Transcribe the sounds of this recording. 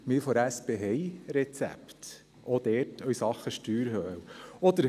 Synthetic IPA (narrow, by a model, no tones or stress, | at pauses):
mɪɾfoɾæspeɦɛjɾɛt͡sæ̰pt̪ | ʔod̪̥ɛːɾtʰœʏsɑχːəʃtyːɾhœwɔd̪əɾ